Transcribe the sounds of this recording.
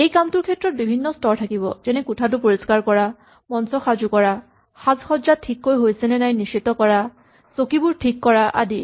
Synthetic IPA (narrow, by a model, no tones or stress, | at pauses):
ejkamtʊɹkʰɛtːɹɔt̚bibʱinːɔstɔɹtʰakibɔ̰zɛnɛkutʰat̬ʊpoɹiskaɹkɔɹa | mɔnsɔxazukɔɹa | xazxɔdzatʰːikːojɦojsɛnɛnajniʃit̪ɔkɔɹa | sokibuɹtʰikːɔɹaʔa̰di